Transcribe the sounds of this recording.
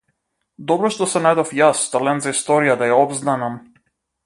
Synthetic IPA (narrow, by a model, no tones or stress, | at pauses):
d̪ɔbɾɔʃt̪ɔsɛnajd̪ɔfjasːt̪alɛnzaist̪ɔɾijad̪ajaɔbznanam